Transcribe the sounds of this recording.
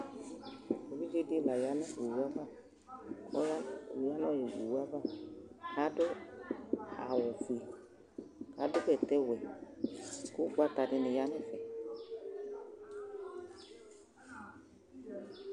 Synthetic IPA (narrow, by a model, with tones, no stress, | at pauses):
o˨βi˦d͡ʒe˦dɪ˦˨la˨ja˨˦nɪ˦˨e˨wu˦a˦ba˦˨ | ɔ̰˦ja˦˨ja˦n˦ɔ˦jɛ˨d͡ʒḭ˨wa˦ba˦ha˦dʊ˦ | a̰˨wɔ˨fi˨ | ka˨˦dʊ˦kɛ˨tɛ˦wɛ˨ | kʊ˦k͡pa˦ta˨dɪ˨nɪ˨ja˦nɪ˦fɛ˨